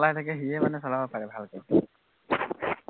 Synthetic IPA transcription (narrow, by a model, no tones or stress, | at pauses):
latʰakɛɦiɛmanɛsɔlabɔpaɹɛbʱalkɔj